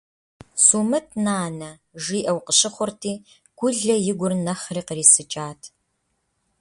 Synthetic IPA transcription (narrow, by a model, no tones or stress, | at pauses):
suːmɨtʰnaːnɐ | ʒiːʔɐwqəɕɪχʷʊrtʰiː | ɡ̥ʷʊɮɐjɪɡʷʊrnɐχriːqəriːsɨt͡ʃʼaːtʰ